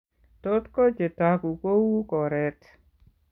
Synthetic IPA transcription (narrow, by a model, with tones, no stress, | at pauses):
to˦tko˦t͡ʃe˨taku˨ko˦wu˦kɔ˨ɾɛ˦t